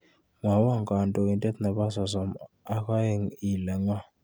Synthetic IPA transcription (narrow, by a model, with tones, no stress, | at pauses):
ŋwa˨˦wa˦˨ŋkʼa˨ndʼɔ˨i˨ntʼɛ˦t̪ʰna˨βa˦sa˨sɔ˨m | a˨ka˦e˦˨ŋi˨la˨ŋwa˦